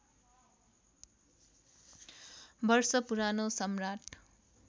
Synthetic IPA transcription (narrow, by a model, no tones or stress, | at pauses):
bʌrsʌpuɾanosʌmraʈ